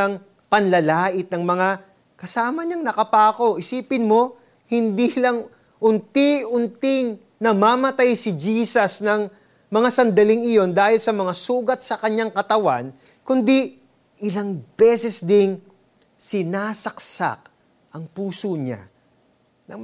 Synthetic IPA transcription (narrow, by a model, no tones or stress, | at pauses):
ɐŋ | pɐnlɐlaːʔɪt̪̚nɐŋmɐŋa | kɐsaːmɐɲaŋnɐkɐpaːko̞ʔɪsiːpɪnmo̞ | hɪnd̪ilɐŋ | ʔʊnt̪iʊnt̪ɪŋ | nɐmaːmɐt̪ajsɪd͡ʒiːsɐsnɐŋ | mɐŋasɐnd̪ɐlɪŋɪjo̞nd̪aːhɪlsɐmɐŋasuːɡɐt̪̚sɐkɐɲaŋkɐt̪ɐwa̰n | kʊnd̪i | ʔɪlaŋb̥ɛːsɛsd̪ɪn | sɪnaːsɐk̚sa̰k̚ | ʔɐŋpuːsoɲa̰ | nɐ